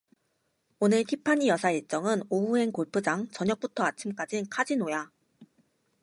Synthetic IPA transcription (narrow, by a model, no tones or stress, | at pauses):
onɯɭtʰipʰaɲijʌsʰaiɭt͡ɕ͈ʌŋɯnoue̞nkoɭpʰɯd͡ʑaŋt͡ɕʌɲjʌk̚p͈utʰʌat͡ɕʰimk͈ad͡ʑinkʰad͡ʑinoja